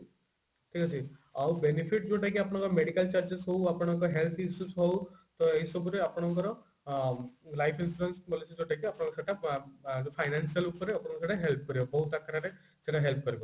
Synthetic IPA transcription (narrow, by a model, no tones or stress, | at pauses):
ʈʰikʰat͡ʃʰiawbenipʰiʈ̚d͡ʒewʈʰakiapɔɽ̃ɔ̃ŋkɔɾɔmeɽikalt͡ʃaɾd͡ʒesɦowapɔɽ̃ɔŋkɔɦelt̪ʰisusɦowt̪ɔejsɔbuɾeapɔɽ̃ɔŋkɔɾɔ | lajpʰinsuɾensbɔlisid͡ʒewʈʰakiapɔɽ̃ɔ̃kɔseʈad͡ʒepʰajnansialupɔɾeapɔɽ̃ɔŋkɔseʈaɦelp̚ʰɔkɔɾibɔbɔɦut̪akaɾaɾe | seʈaɦelpʰɔkɔɾibɔ